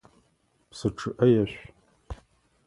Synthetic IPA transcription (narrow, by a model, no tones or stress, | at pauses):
psɨʈ͡ʂʰɨʔɐjɐʃʷ